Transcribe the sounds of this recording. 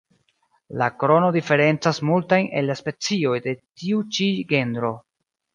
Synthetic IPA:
lakɾo̞no̞dife̞ɾe̞nt͡sasmultajne̞̰lːaspe̞t͡sio̞jde̞tiut͡ʃiɡe̞ndɾo̞

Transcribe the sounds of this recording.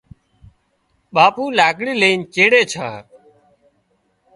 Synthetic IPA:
ɓaːpuːlaːkɽiːleːnt͡ʃeːɽeːt͡ʃʰã̰ː

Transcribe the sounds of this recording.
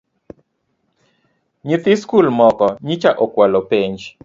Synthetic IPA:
ɲit̪ɪskulmɔkɔɲit͡ʃaʔɔkwalopeɲd͡ʒ

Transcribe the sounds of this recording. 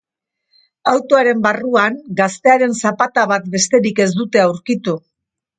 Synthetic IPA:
awt̪o̞aɾe̞mbaruaŋɡast̪e̞aɾe̞nsapat̪aβat̪̚be̞st̪e̞ɾike̞zd̪ut̪e̞awɾkit̪u

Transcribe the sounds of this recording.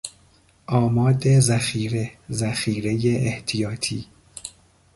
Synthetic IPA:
ʔɒːmɒːd̪ezæxiːɾe̞zæxiːɾe̞jeʔeht̪ʰijɒːt̪ʰiː

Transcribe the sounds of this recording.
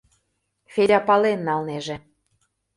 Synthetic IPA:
fʲelʲɑpɑlenːɑlneʒĕ

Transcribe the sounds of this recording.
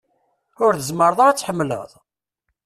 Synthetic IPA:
ʊɾθəzməɾˤðˤɑɾæt͡sːħəmːlə̰ðˤ

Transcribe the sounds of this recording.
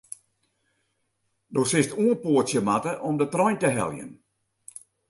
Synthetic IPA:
doːsɪstuənpoətsjəmatəʔɔmdətrɔjntəɦɛ̰lˠjə̰n

